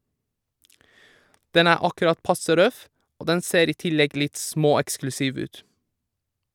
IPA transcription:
ˈdɛn ˈæː ˈɑkʉɾɑt ˈpɑsə ˈɾœf ˈoː ˈdɛn ˈseːɾ ˈiː ˈtɪlɛɡ ˈlɪt ˈsmoːɛksklʉˌsiːʋ ˈʉːt

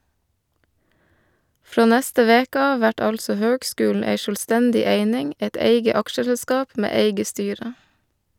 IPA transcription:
ˈfɾoː ˈnæstə ˈʋeːkə ˈɑː ˈʋæʈ ˈɑlsɔ ˈhøːɡˌskʉːl̩ ˈæɪ ʃœlˈstændɪ ˈeɪnɪŋ ˈɛt ˈeɪɡə ˈɑkʃəsɛˌskɑːp ˈmeː ˈeɪɡə ˈstyːɾə

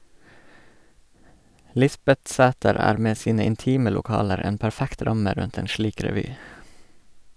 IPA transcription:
ˈlɪsbɛtˌsæːtəɾ ˈæːɾ ˈmeː ˈsiːnə ɪnˈtiːmə lʊˈkɑːləɾ ˈeːn pæɾˈfækt ˈɾɑmə ˈɾʉnt ˈeːn ˈʃliːk ɾɛˈʋyː

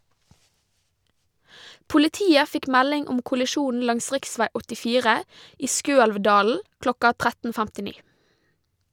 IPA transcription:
pʊlɪˈtiːə ˈfɪk ˈmælɪŋ ˈʊm kʊlɪˈʃuːn̩ ˈlɑŋs ˈʁɪkˌsʋæɪ ɔtɪˈfiːʁə ˈiː ˈskøːɛlʋˌdɑːl̩ ˈklɔkɑ ˈtʁætn̩ fæmtɪˈniː

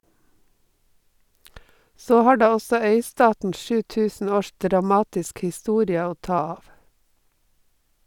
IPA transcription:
ˈsoː ˈhɑː ˈɖɑː ˈɔsɔ ˈœʏˌstɑːtn̩ ˈʃʉː ˈtʉːsn̩ ˈoːʃ dɾɑˈmɑːtɪsk hɪˈstuːɾɪə ˈoː ˈtɑː ˈɑːʋ

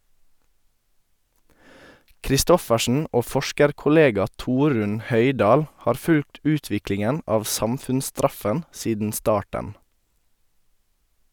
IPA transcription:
kɾɪˈstɔfəʃn̩ ˈoː ˈfɔʃkəɾkʊˌleːɡɑ ˈtuːɾʉn ˈhœʏˌdɑːl ˈhɑːɾ ˈfʉlt ˈʉːtʋɪklɪŋən ˈɑːʋ ˈsɑmfʉnsˌstɾɑfən ˈsiːdn̩ ˈstɑːʈən

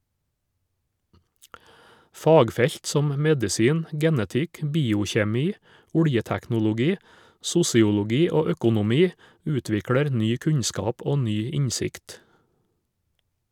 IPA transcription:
ˈfɑːɡˌfɛʎt ˈsɔm ˈmɛdɪsiːn ˈɡɛnətɪk ˈbiːʊçeːˌmiː ˈʊɽjətæknʊlʊˌɡiː ˈsʊsɪʊlʊˌɡiː ˈoː ˈœkʊnʊˌmiː ˈʉːtʋɪkɽɛɾ ˈnyː ˈkʉɲskɑːp ˈoː ˈnyː ˈɪɲsɪkt

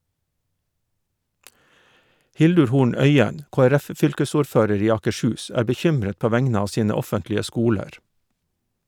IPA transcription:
ˈhɪldʉɹ ˈhuːɳ ˈœʏən ˌkoːəˈɾæfˌfʏlkəsuːɾˌføːɾəɾ ˈiː ɑːkəˈʃʉːs ˈæːɾ bəˈçʏmɾət ˈpoː ˈʋæŋnə ˈɑː ˈsiːnə ˈɔfəntlɪə ˈskuːləɾ

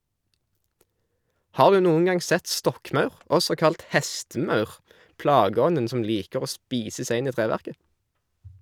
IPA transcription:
ˈhɑːʁ ˈdʉː ˈnuːən ˈɡɑŋ ˈsɛt ˈstɔkˌmɑʉʁ ˈɔsɔ ˈkɑlt ˈhɛstəˌmɑʉʁ ˈplɑːɡəˌɔnən ˈsɔm ˈliːkəʁ ˈoː ˈspiːsə ˈsæɪ ˈɪn ˈiː ˈtʁeːʋæʁkə

